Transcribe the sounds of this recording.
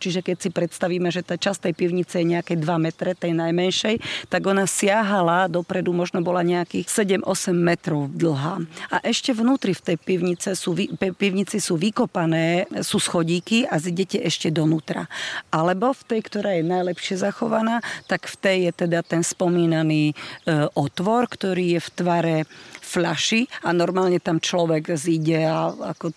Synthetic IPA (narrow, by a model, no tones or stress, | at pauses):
t͡ʃiʒɛkɛcsipɾɛt̪st̪aʋiːmɛʒɛt̪aːt͡ʃast̪ɛjpiʊɲit͡sɛjɛɲɛakɛd̪ʋamɛt̪ɾɛt̪ɛjnajmɛnʃɛjt̪aɡɔnasɪaɦalad̪ɔpɾɛd̪umɔʒnɔbɔlaɲɛakiːxsɛɟɛmʔɔsɛmːɛt̪ɾɔʊd̪l̩ˠɦaːʔaʔɛʃcɛʋnuːt̪ɾift̪ɛjpiʊɲit͡sɛsuːʋipɛpiʊɲit͡sisuːʋikɔpanɛːsuːsxɔɟiːkiaziɟɛcɛʔɛʃcɛd̪ɔnuːt̪ɾa̰alɛbɔft̪ɛjkt̪ɔɾaːjɛnajlɛpʃɪɛzaxɔʋanaːt̪akft̪ɛjjɛt̪ɛd̪at̪ɛnspɔmiːnaniːʔɔt̪ʋɔɾkt̪ɔɾiːjɛft̪ʋaɾɛflaʃianɔɾmaːlɲɛt̪amt͡ʃlɔʋɛɡziɟɛaa̰kɔ